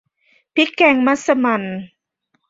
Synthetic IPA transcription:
pi˦˥kːɛ˧˩ŋma˧˥sə˧ma˨n

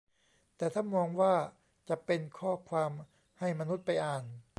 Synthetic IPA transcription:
t̪ɛː˨˩t̪ʰa˥˩nmɔː˧ŋwaː˥˩ | t͡ɕa˨˩pe˧nkʰɔː˥˩kʰwaː˧m | ha˥˩jma˧nu˦˥t̪̚pa˧jʔaː˨˩n

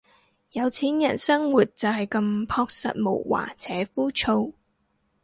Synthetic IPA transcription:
jɐ˨˧wt͡sʰiː˨˥njɐ˨˩nsɐ˥ŋwuː˨˩t̚t͡sɐ˨wɦɐ˨jkɐ˧mpʰɔː˧k̚sɐ̰˨t̚mo̰˨˩wwa̰ː˨˩t͡sʰɛː˨˥fuː˥t͡ʃʰo˧w

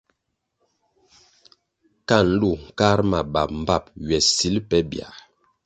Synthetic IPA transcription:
ka˦˨n̩˦lu˦˨ŋ̩˨ka˦ɾma˨ba˨p̚m̩˨ba˦˨p̚ɥɛ˨si˨˦lpɛ˦bja̰˨

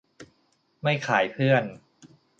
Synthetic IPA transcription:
ma˥˩jkʰaː˩˦jpʰɯ˥˩ən

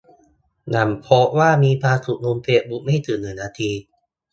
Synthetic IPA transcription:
na˨˩mpʰo˦˥ʔwaː˥˩miː˧pʰaː˧t̪ʰu˧˩nu˧mpʰeː˨˧˩bu˨˩ma˥˩jt̪ʰɯː˨˩˦nɯ˨˩˦naː˧t̪ʰiː˧

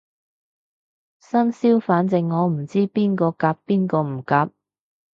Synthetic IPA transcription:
sɐ˥nsiː˥wfaː˨˥nt͡sɪ˨ŋːɔː˨˧m̩˨˩t͡siː˥piː˥nkɔː˧kaː˧ppiː˥nkɔː˧m̩˨˩kaː˨˧p̚

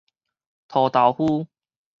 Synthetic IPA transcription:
t̪ʰɔ˨˩t̪a˨˩whu˥˧

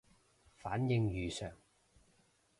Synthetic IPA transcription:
faː˨˥njɪ˧ŋjyː˨sœː˨˩ŋ

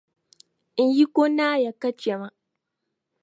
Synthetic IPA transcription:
ʔɪ˦ɲji˦kʷo˦naː˦ja˨kɐ˦t͡ʃe˨ma˦

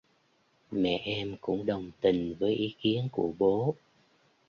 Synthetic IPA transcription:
mɛ̰˧˨ʔɛ˧mkʊ̰˧˥ŋ͡mɗə˨˩wŋ͡mt̪ï˨˩ŋ̟vəː˨˦jʔi˨˦ki˨˦ənku˧˩əɓo˨˦

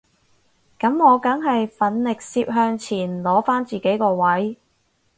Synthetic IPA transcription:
kɐ˨˥mŋɔː˨˧kɐ˨˥ŋɦɐ˨jfɐ˨˥nlɪ˨k̚siː˧p̚ɦœː˧ŋt͡sʰiː˨˩nlɔː˨˥faː˥nt͡siː˨ke˨˥jkɔː˧wɐ˨˥j

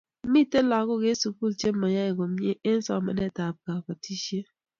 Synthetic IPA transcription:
mi˦te˦lɔ˨˦ko˦˨ɡe˦su˨ku˦lt͡ʃe˦ma˨ja˦e˨ɡo˨mje˦ʔe˦n̩˦sɔ̰˦˨mɛ̰˨˦ne˦˨ta˨p̚ka˨ka˨ti˦ʃe˦

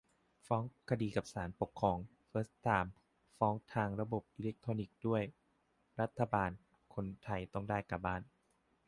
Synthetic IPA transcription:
fɔː˦˥ŋkʰa˧diː˧ka˨˩p̚saː˩˦npo˨˩kʰːɔː˧ŋ | fɤː˦˥st̪aː˧˩m | fɔː˦˥ŋt̪ʰaː˧ŋɾa˧bo˨˩p̚ʔi˧le˦˥k̚t̪ʰoː˧ni˨˩k̚du˥˩əj | ɾa˦˥t̪ʰːa˧baː˧n | kʰo˧nt̪ʰa˧jt̪ɔ˥˩ŋdaː˥˩jka˨˩baː˥˩n

